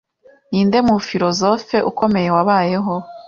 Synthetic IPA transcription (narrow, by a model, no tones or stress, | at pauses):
niːnde̞mufiɾozo̞fe̞ʔuko̞me̞je̞waβaːje̞ɦo̞